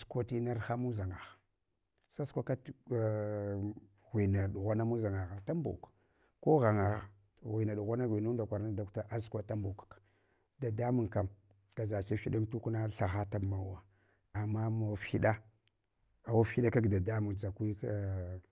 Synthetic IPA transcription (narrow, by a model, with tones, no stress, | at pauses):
skʷa˨ti˦na˦ɾxa˦mu˦za˨ŋa˨ɣ | sa˦skʷa˦ka˦˨ | ɣʷi˨na˨ɗu˨ɣʷa˦na˦mu˦za˨ŋa˨ɣa˨ta˦mbo̰˨k | ko˦ɣa˨ŋa˨ɣ | ɣwi˨na˨ɗu˨ɣʷa˦na˦ɣʷi˨nu˦n˦da˨kʷa˨ɾna˦da˨kta˦ʔa˦skʷa˨ta˦mbo˨kk | da˨da˦mu˨ŋka˨m | ka˨za˨t͡ʃe˦fi˦ɗa˦ntu˦kna˦ɬa˨ɣa˦ta˨ma˨wa˨ | a˨mːa˦ma˨fi˦ɗa˦ | a˨wa˦fi˦ɗa˦ka˦ɡda˨da˦mu˨t͡sa˨kʷi˦